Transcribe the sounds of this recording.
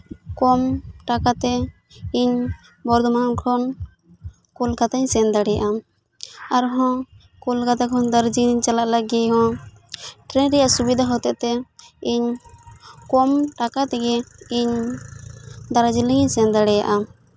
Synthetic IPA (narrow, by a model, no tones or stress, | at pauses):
kɔmʈakat̪ɛ | iɲ | bɔɾd̪ɔmankʰɔn | kɔlkat̪aɲsɛnd̪aɽɛjaʔa | aɾɦɔ̃ | kɔlkat̪akʰɔnd̪aɾd͡ʒit͡ʃalaʔlaɡɛɦɔ̃ | ʈɾɛnɾɛjaʔsubid̪ʱaɦɔt̪ɛʔt̪ɛiɲ | kɔmʈakat̪ɛɡɛiɲ | d̪aɾad͡ʒiləɲiɲsɛnd̪aɽɛja̰ʔa